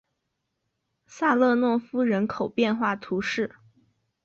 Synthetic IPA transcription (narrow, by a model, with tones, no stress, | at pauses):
sa˥˧lɤ˥˧nwɔ˥˩fu˥ɻə˧˥nkʰo˨˩ʊpjɛ˥˧nxwa˥˩t̪ʰu˧˥ʂɻ̩˥˩